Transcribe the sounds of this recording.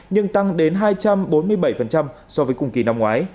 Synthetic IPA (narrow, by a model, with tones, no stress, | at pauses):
ɲɨ˧ŋt̪a˧ŋɗe˨˦nɦaː˧jt͡ɕa˧mɓo˨˦nmɨ˧əjɓə˧˩jfə˨˩nt͡ɕa˧msɔ˧vəː˨˦jkʊ̰˨˧˩ŋ͡mkḭ˨˧˩na˧mŋwaː˨˦j